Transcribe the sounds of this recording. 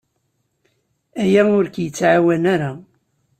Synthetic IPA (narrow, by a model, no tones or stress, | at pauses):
æjæʊɾkjət͡sːʕawænaɾa